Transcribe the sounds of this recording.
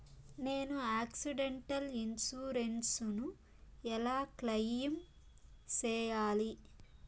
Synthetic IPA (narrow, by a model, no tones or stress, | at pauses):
neːnuaːksiɖeɳʈɐlinsuːɾensnu | ɛlaːklɐjːɐm | t͡ʃɛːjaːli